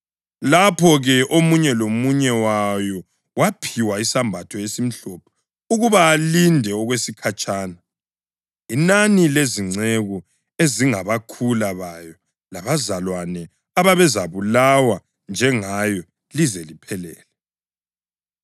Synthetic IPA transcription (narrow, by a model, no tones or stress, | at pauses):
lapʰɔɣɛʔomuɲɛlomuɲɛwajɔ | wapʰiwaisambʱatʰɔjesim̩ɬɔpʰɔ̥ | uɣuβaːlindʱɛɔɣwesikʰat͡ʃʼaːna | inanileziŋ͡ǀeɣu | eziŋaβakʰulaβajɔ | laβazalwanɛ | aβaβɛzaβulawa | nd͡ʒʱɛŋajɔ | lizɛlipʰɛlɛ̰ːlɛ